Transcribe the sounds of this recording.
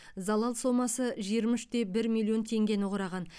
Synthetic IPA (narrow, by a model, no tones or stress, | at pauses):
zɑlˠɑlˠso̞mɑsəʒijəɾmʏʃt̪e̞bɪɾmʲilʲˠːio̞nt̪ʰe̞ŋɡʲe̞nɪʁɾɑʁɑn